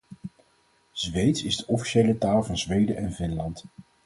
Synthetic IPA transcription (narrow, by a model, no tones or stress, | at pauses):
z̥ʋejtsɪzdəʔɔfi̥ʃejlətaːlˠvɑnzʋejdəʔɛnvɪnlɑnt